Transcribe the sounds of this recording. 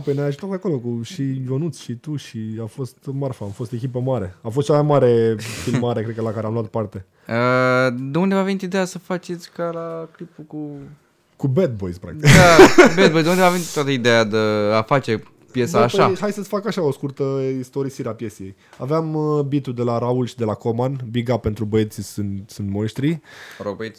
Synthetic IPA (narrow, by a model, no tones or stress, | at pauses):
pojneajaʒut̪at̪̚peako̞lo̞kuʃid͡ʒonut̪sʃit̪uʃiafo̞st̪marfaːmfo̞st̪e̞kʲipəmaɾe̞afost̪̚t͡ʃamajmaɾe̞filmaɾekɾe̞d̪kəlakaɾeamloat̪̚part̪e̞ | əd̪eund̪evavenit̪id̪e̞jasəfat͡ʃe̞t̪sʲkalaklipuku | kubet̪̚bo̞jspɾa̰k̪̚ikd̪abet̪̚bojzd̪und̪eavenit̪wat̪əid̪ejad̪eafat͡ʃe̞ | pje̞saːʃaɦajsəsfakaʃao̞skurt̪əist̪o̞ɾisiɾeapje̞sije̞javeambit̪ud̪e̞laɾaulʃid̪e̞lakomanbiɡape̞nt̪ɾubəe̞t̪sisɨnt̪sɨnt̪monʃt̪ɾiəɾokbəet̪ʲ